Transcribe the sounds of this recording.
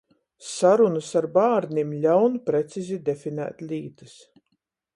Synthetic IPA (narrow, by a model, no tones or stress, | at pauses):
saɾunɨsaɾbaːɾnʲimlʲawnpɾet̪sizid̪efʲinæ̰ːt̪lʲiːt̪ɨs